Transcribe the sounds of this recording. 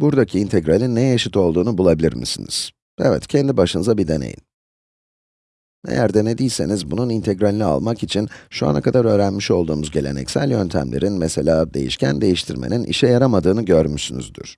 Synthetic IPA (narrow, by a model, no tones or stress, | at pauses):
buɾd̪acʰiːnt̪ʰɛɡɾalʲinːɛjaʃɯt̪ʰo̞lˠd̪uːnubulˠabilʲḭɾmḭsinḭz̥ | evɛ̰t̪cʰɛnd̪ibaʃɯnɯzabid̪e̞nḛjḭn | nḛjæɾd̪ɛned̪ijlʲse̞nizbununint̪ʰeɡɾalʲinia̰lˠmakit͡ʃʰinʃua̰na̰kʰad̪aɾø̞ːɾænmiʃo̞lˠd̪uːmuzɟe̞lʲe̞̰nɛ̰csælʲjø̞nt̪ʰæ̰mlʲe̞̰ɾʔinmese̞lʲaːd̪e̞jḭʃcʰænd̪e̞jiʃt̪ʰiɾmeninʔḭʃɛjaɾamad̪ɯːnɯɟøɾmysyny̰zd̪y̰ɾ̥